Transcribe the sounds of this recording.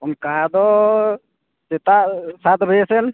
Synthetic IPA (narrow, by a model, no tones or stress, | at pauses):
ɔmkaɦad̪ɔ | t͡ʃɛt̪aʔsat̪bʱəjɛsɛn